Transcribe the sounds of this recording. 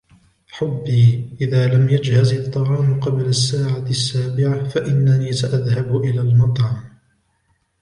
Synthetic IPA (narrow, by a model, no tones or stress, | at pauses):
ħʊbːiːʔɪðaːlamʔad͡ʒhazɪt̪ˤːɑʕɑːmqɑblasːaːʕasːaːbɪʕafaʔɪnːaniːsaʔaðhabʔɪlaːlmɑt̪ˤʕɑm